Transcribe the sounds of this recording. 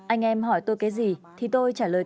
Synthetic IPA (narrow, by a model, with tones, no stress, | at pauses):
ʔa˧jŋ̟ʔɛ˧mɦɔ˧˩jt̪o˧jkaː˨˦jzi˨˩t̪ʰi˨˩t̪o˧jt͡ɕaː˧˩ləː˨˩